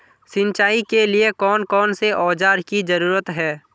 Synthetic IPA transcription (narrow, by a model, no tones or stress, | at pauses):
sɪ̃nt͡ʃaːikeliekɔːnkɔːnseʔɔːd͡ʒaːɾkizɐɾuːɾət̪ɦɛː